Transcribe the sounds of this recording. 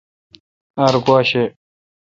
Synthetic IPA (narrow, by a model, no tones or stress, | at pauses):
ɐɾɡwaːɕe